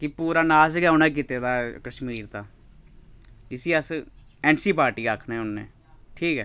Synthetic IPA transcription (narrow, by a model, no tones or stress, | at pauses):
kɪpuːɾaːnaːsɡɛʊnɛ̃ːk̬it̪eːd̪aːkəʃmiːɾt̪aː | d͡ʒɪsiːəsɛːnsiːpaːɾʈiːakʰːnɛːʊnːḛː | ʈʰiːkɦɛː